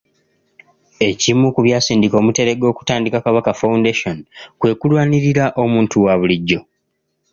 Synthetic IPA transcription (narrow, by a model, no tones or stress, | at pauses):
e̞cimukuβjaːsiːndiko̞ːmute̞ɾe̞ɡo̞ːku̥taːndikakaβakafaundeʃo̞nkwe̞ːkulwaːniɾiɾaʔo̞muːntuwaβuliɟːo̞